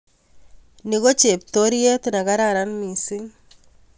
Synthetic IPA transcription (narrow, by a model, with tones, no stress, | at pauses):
ni˦ko˦t͡ʃe˨p̚t̪o˦ɾje˦t̪na˨ka˦ɾaɾa˦nmi˨si˦ŋ